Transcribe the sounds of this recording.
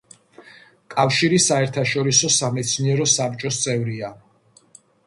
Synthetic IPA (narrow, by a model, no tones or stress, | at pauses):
kʼafʃiɾisaɛɾt̪ʰaʃɔɾisɔsamɛt̪sʰniɛɾɔsap̚ʼt͡ʃʼɔst̪sʼɛvɾia